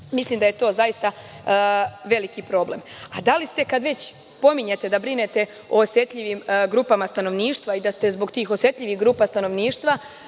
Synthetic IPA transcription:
misliːmd̪aje̞t̪o̞ːzajist̪a | ʋe̞likipɾo̞ːble̞m | ad̪alist̪e̞kad̪ʋe̞t͡ɕ | po̞miɲe̞t̪e̞d̪abɾinet̪e̞ | o̞osje̞t̪ʎʲiʋimɡɾuːpamast̪ano̞ʋniːʃt̪ʋaid̪ast̪e̞zbo̞ɡt̪iːxosje̞t̪ʎʲiʋihɡɾuːpast̪ano̞ʋniːʃt̪ʋa

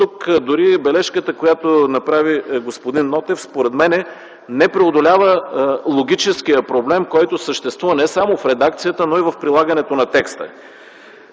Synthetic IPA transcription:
t̪ukd̪ʊɾibɛlɛʃkət̪əkojat̪onɐpɾaviɡospod̪inːɔt̪ɛfspoɾɛd̪mɛnɛ | nɛpɾɛod̪olʲavəlˠoɡʲit͡ʃɛsk̟ijəpɾoblɛmkɔjt̪osəʃt̪ɛst̪vuvənɛsamofɾɛd̪ak̚t̪sijət̪ənoivəfpɾilˠaɡɐnɛt̪onɐt̪ɛkst̪ə̰

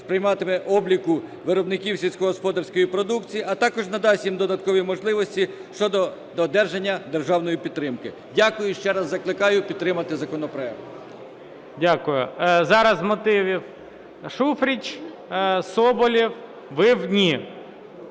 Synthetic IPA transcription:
spɾɪjmɑt̪ɪmɛʔɔblʲikʊʋɪɾɔbnɪkʲiwsʲisʲkɔɦɔspɔd̪ɐrsʲkɔjipɾɔd̪ukt͡sʲijiʔɐt̪ɑkɔʒnɐd̪ɑsʲjimd̪ɔd̪ɐt̪kɔʋʲimɔʒlˠɪʋɔsʲtʲiʃt͡ʃɔd̪ɔ | d̪ɔd̪ɛrʒenʲːɐd̪erʒɑwnɔjipʲid̪ːɾɪmkɪ | dʲakʊjʊʃt͡ʃɛɾɐzːɐklˠɪkɑjʊpʲid̪̚t̪ɾɪmɐt̪ɪzɐkɔnɔpɾɔjɛk̚t̪ | dʲakʊjʊ̰zɑɾɐzmɔt̪ɪʋʲiw | ʃufɾʲit͡ʃ | sɔbɔlʲiw | ʋɪwdʲnʲi

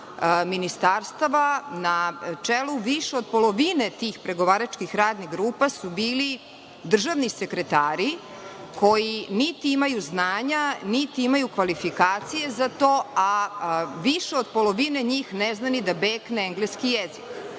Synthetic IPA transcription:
minist̪aːɾst̪aʋanat͡ʂeluʋiʃeod̪̚po̞lˠoʋinet̪iːxpɾe̞ɡo̞ʋaːɾat͡ʃkixɾaːd̪niɣɡɾuːpasubiːli | d̪r̩ʒaʋnise̞kɾe̞t̪aːɾi | kʰo̞jinit̪iimajuznaːɲanit̪iimajukʋalifikaːt̪sije̞zat̪o̞ːa | ʋiʃeo̞d̪̚po̞lo̞ʋine̞ɲiːxneznanid̪abeːkneeŋɡleskijezik

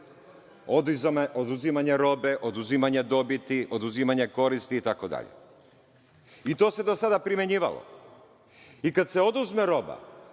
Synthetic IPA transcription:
ood̪uzimaɲe̞ɾo̞beʔo̞d̪uzimaɲed̪o̞bit̪iʔo̞d̪uzimaɲe̞ko̞ɾist̪iːt̪ako̞d̪a̰ʎḛ | it̪o̞ːse̞d̪o̞sad̪apɾimʲe̞ɲiːʋa̰lo̰ | ikad̪seo̞d̪uzmeɾo̞ba̰

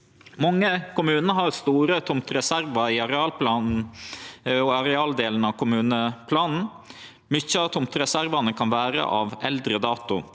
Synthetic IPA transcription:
mɑŋːəkʊmʉːnəɦɑɾst̪uːɾət̪ʰʊmt̪ɾɛsæɾʋɑɪɑɾɛɑːlpʰlɑːnn̩ | ɔɑɾɛɑːld̪eːln̩ɑʋkʰʊmʉːnəpʰlɑːnn̩ | mʏçːəɑʋt̪ʰʊmt̪ɾɛsæɾʋɑnəkʰɑnʋæːɾə̰ʔɑ̰ʋɛld̪ɾəd̪ɑːt̪ʊ

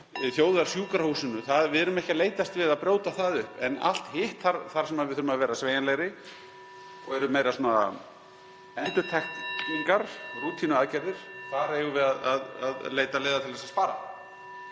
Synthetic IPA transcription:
θjoːwðaɾ̥sjuːkaɾhusɪnʏθaðvɪðɛɾʏmɛhcaleːjt̪ast̪vɪðaðpɾjoːwt̪aθaðʏhpɛna̰l̥t̪hɪht̪θaɾθaɾ̥sɛmaðvɪðθʏɾʏmavɛːɾasveːjanlɛɾɪ | ɔɛɾʏmeːjɾasuːna | ɛnt̪ʏɾt̪ʰɛxt̪iŋkaɾ̥ruːt̪ʰinʏaːðcɛɾðɪɾ̥faːɾajuvɪðaðaðaðleːjt̪aleːðat̪ʰɪlvɛsaspaːɾa̰

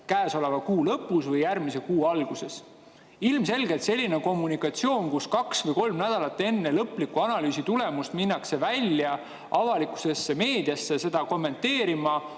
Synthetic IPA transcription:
kæːso̞le̞vɑkuːlɤpːˑusvɤjjærmise̞kuːɑlɡ̥use̞s | ilmse̞lɡet̪se̞lʲːineko̞mːunikˑɑt̪sio̞ːnkuskɑksvɤjko̞lmnæd̪̥ɑlɑt̪ːˑe̞nːelɤpːlikːˑuɑnɑlyːsit̪ule̞must̪minːɑkse̞vælʲjɑ | ɑvɑlikˑu̥se̞sːe̞me̞ːd̪̥iɑsːe̞se̞d̪̥ɑko̞mːe̞nt̪ːeːɾimɑ

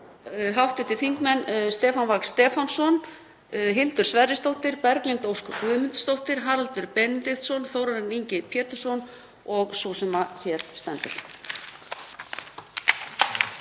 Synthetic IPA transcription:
ɦawht̪ɪt̪ɪθiŋkmɛnst̪ɛːfanvakst̪ɛːfansɔn | ɦɪlt̪ʏ̥svɛɾɪst̪owht̪ɪɾpɛɾkliŋt̪owskʏkvʏðmɪnt̪st̪owht̪ɪɾ̥ɦaɾalt̪ʏɾpɛnɪt̪ɪxt̪sɔnθoːwɾaɾɛniɲcɪpʰjɛːt̪ɪr̥sɔn | ɔɣsusɛmaçɛːɾ̥st̪ɛnt̪ʏɾ̥

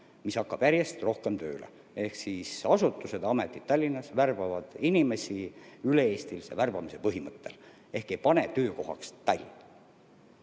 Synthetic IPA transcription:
misɑkːɑb̥jæɾjest̪ro̞hke̞mt̪ø̞̰ːlḛ | e̞hksisɑsut̪ːˑuse̞d̪ɑmet̪ˑːit̪t̪ːɑlʲːinːɑsværbɑvɑd̪̥inime̞siyle̞eːst̪ilsḛværbɑmise̞pɤɦimɤt̪ːe̞̰l | e̞hkˑejpɑne̞t̪ø̞ːko̞ɦɑ̰kst̪ɑlʲːinɑ

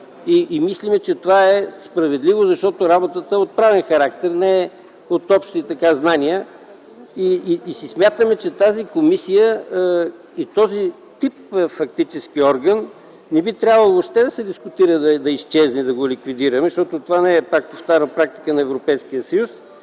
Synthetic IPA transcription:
iːmislimɛt͡ʃɛt̪ovaɛspɾɐvɛd̪livozɐʃt̪ɔt̪oɾabot̪ət̪əot̪̚pɾavɛnxɐɾak̚t̪ɛɾnɛɛ | ot̪ɔpʃt̪it̪ɐkaznaniə | iːsismʲjat̪əmɛt͡ʃɛt̪azikomisijə | it̪ɔzi | t̪ip̚fɐk̚t̪it͡ʃɛskiɔɾɡənː | ɛbit̪ɾʲjabvəlˠoːpʃt̪ɛd̪ɐsɛd̪iskʊt̪iɾəd̪ɐd̪ɐist͡ʃɛznid̪ɐɡolikvid̪iɾəmɛʃt̪ɔt̪ot̪ovanɛɛpak̚poft̪aɾnpɾak̚t̪i̥kənɐɛvɾopɛjsk̟ijəsəjus

